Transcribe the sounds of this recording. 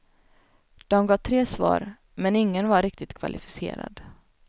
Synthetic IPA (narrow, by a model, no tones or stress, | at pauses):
d̪̥ɔmɡɑːt̪ʰɾeːsvɑ̰ːɾ | mɛnɪŋːənvaɾɾɪk̚t̪ɪt̪kʰva̰lʔɪfɪ̥sḛːɾa̰d̪